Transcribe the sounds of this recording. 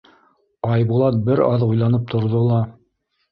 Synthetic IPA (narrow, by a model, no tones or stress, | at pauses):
ɑjbulˠɑt̪̚bɘɾɑðŭjlˠɑnɤp̚t̪ʰŏɾðolˠɑ